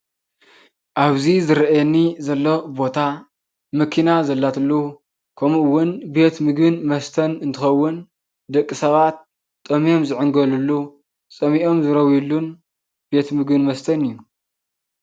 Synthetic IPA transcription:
ʔaβzizɨɾʔenːizɐlːo̞bo̞t̪ʰa | mɐkʰinazɐlːat̪ʰɨlːu | kʰɐmɨwːʊnbe̞t̪mɨɡbɨnmɐst̪ʰɐnɨnt̪ʰɨxɐwːʊn | d̪ɐkʼːisɐβat̪̚ʼː | ɐmijo̞mzɨʕɨŋɡɐlulːu | t͡sʼɐmiʔo̞mzɨɾɐwjulːun | be̞t̪mɨɡbɨnmɐst̪ʰɐnɨjːu

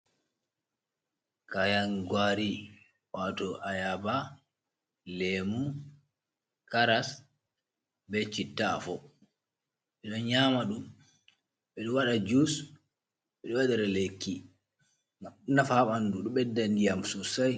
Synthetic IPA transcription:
kajanɡwaɾi | watɔʔajaba | lemu | kaɾas | bɛt͡ʃitːa̰fɔ | ɓɛɗɔnɲamaɗum | ɓɛɗɔwaɗad͡ʒus | ɓɛɗɔwadɛɾɛlekːi | nafaɓanduɗɔɓɛdːandijamsusaj

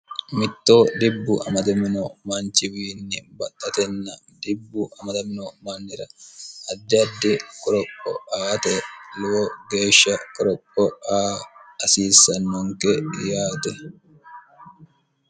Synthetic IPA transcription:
mɪt̪ːo̞ːd̪ɪbːʊʔɐ̰mɐd̪ɐmɪnɔmant͡ʃɪwiːnːɪbɐt̪ʼːɐt̪ɛnːɐ | d̪ɪbːʊʔɐmɐd̪ɐmɪnɔmanːɪɾɐɐd̪ːɪɐd̪ːɪkʼɔɾɔkʼːɔ̰aːt̪ɛlʊwɔɡe̞ːʃːɐkʼɔɾɔkʼːɔaːɐsiːsːɐnːɔŋkɛjaːt̪ɛ

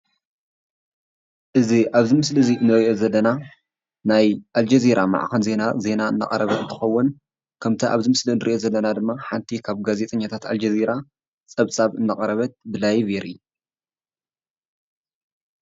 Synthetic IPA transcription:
ʔɨziʔaβzimɨsliziɨnːɨɾiʔo̞zɐlːɐna | najʔald͡ʒeziɾʔama̰ʕkɐnze̞naze̞naɨ̰nːa̰kʼɐɾɐβɐɨnt̪ʰɨxɐwːʊn | kʰɐmt̪ʰɐʔaβzɨmɨslinɨɾʔiʔo̞zɐlːɐnad̪ɨmːaħant̪ʰikʰaβɡazet̪ʼɐɲːat̪ʰat̪a̰ld͡ʒeziɾa | t͡sʼɐβt͡sʼaβɨnːɐkʼɐɾɐβɐt̪̚bɨlajiβeɾɨ̰ju

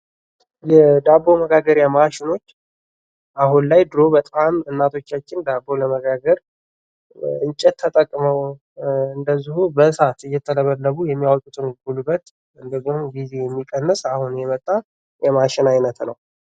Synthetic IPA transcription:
jɛd̪abo̞məɡaɡəɾjamaʃɪno̞t͡ʃː | ʔahunlajd̪ɾo̞bət̪ʼamɨnːat̪ʰo̞t͡ʃːat͡ʃːɪnd̪abo̞ləməɡaɡəɾ | ʔɨnt͡ʃʼɛt̪ʰːət̪ʼəkʼːməw | ɨnd̪əzːihubəsat̪ɨjːɛt̪ʰːələβəlːəβujɛmːijawt̪ʼut̪ʰʼɨŋɡulubːət̪ | ɨnd̪əɡnoɡize̞jɛmːikʼːənːəsahunjɛmət̪ʼːa | jɛmaʃɪnajnət̪nəw

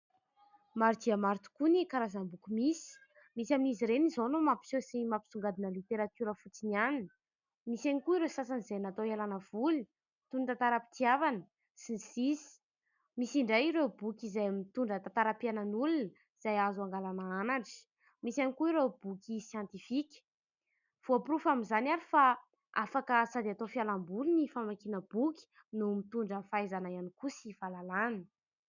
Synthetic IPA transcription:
maɾd̪iamaɾt̪u̥kunikaɾazambukumisi̥ | misjaminiziɾenizonumapi̥sosimapi̥suŋɡad̪inəlit̪eɾat̪uɾəfut͡sinianin | misanikuiɾesas̬anizenat̪oelanəv̥uli | t̪unt̪at̪aɾapi̥t̪iavanə | sinisisi̥ | misiɳɖ͡ʐajiɾewbukʲizajmit̪uɳɖ͡ʐət̪at̪aɾapiananulun | iz̥ajazuaŋɡalanaanaɳʈ͡ʂi̥ | misanikuiɾewb̥ukʲisjant̪ifikʲ | v̥oapɾufaminzanaɾifa | afakəsad̪eat̪ofialambulinifamakinəb̥ukʲi̥ | numit̪uɳɖ͡ʐəfajzanajanikusivalalanə̥

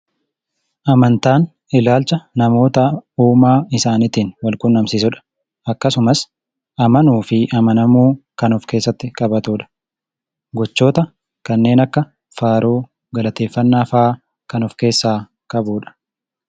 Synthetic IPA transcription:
ʔɐmɐnt̪aːn | ɪlaːlt͡ʃɐnɐmo̞ːt̪ɐuːmaːɪsaːnɪt̪iːnwɐlkʊnːɐmsɪsʊᶑɐ̥ | ɐkːɐsʊmɐs | ʔɐmɐnuːfɪʔɐmɐnɐmuːkɐnɔfke̞ːsːɐt̪ːɪkʼɐbɐt̪uːᶑɐ̥ | ɡɔt͡ʃːo̞ːt̪ɐ | kɐnːe̞ːnɐkːɐ | faːɾoː | ɡɐlɐt̪e̞ːfːɐnːaːfaː | kɐnɔfke̞ːsːaː | kʼɐbuːᶑɐ̥

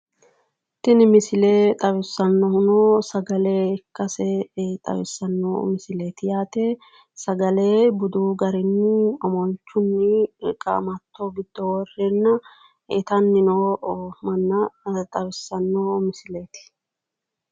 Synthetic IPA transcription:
t̪ɪnɪmɪsɪleːt̪ʼɐwɪsːɐnːɔhʊnoːsɐɡɐle̞ːɪkːɐsɛt̪ʼɐ̰wɪ̰sːɐnːo̰mɪsɪle̞ːt̪ɪjaːt̪eː | sɐɡɐle̞ːbʊd̪uːɡɐɾɪnːɪɔmɔnt͡ʃːʊnːɪkʼɐ̰mɐt̪ːoːɡɪd̪̥ːɔwɔrːɛnːɐ | ɪt̪ɐnːɪnoːmɐnːɐt̪ʼɐwɪsːɐnːoːmɪsɪle̞ːt̪ɪ̥

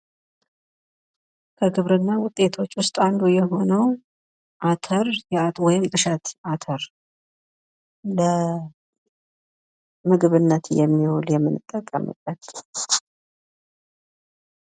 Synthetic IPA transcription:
kʰəɡɨβɾɨnːawʊt̪ʼːe̞t̪ʰo̞t͡ʃːwʊst̪ʼand̪ujɛɦo̞nəw | ʔat̪ʰəɾjɛat̪wɔjɪmt̪ʼɨʃɛt̪ʔat̪ʰəɾ | lə | mɨɡβɨnːət̪jɛmːihuljɛmːɨnɨt̪ʼːəkʼːəmɨ̰t̪ʼːət̪ʼː

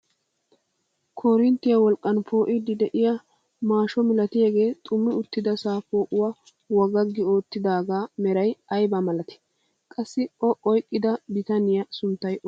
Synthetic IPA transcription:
kʰoɾɪnt̪ːɪjɐwɔlkʼːɐnpʰo̞ːʔɪd̪ɪd̪ɛʔɪjɐ | maːʃɔmɪlɐt̪ɪjaɡe̞ːt̪ʼʊmːɪʊt̪ːɪd̪ɐsaːfoːʔʊwɐ | wɐɡɐɡːɪo̞ːt̪ːɪd̪aːɡaːmɛɾɐjɐjbɐmɐlɐt̪ɪ̥ | kʼɐsːɪɔʔɔjkʼːɪd̪ɐbɪt̪ɐnɪjɐsʊnt̪ːɐjɔ

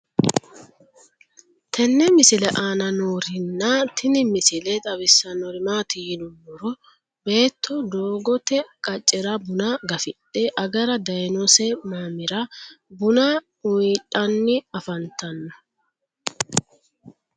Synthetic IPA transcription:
t̪ʰɛnːɛmɪsɪlɛʔaːnɐnoːɾɪnːɐt̪ʰɪnɪmɪsɪlɛt̪ʼɐβɪsːɐnɔɾɪmaːt̪ɪjɪnʊmːɔɾɔ | be̞ːt̪ʰːɔd̪oːɡɔt̪ɛkʼɐt͡ʃʼːɛɾɐbʊnaɡɐfɪt̪ʼːɛʔɐɡɐɾɐd̪ɐjnɔsɛmaːmɪɾɐ | bʊna | ʊtʼːɐnːɪɐfɐnt̪ːɐnːɔ̥

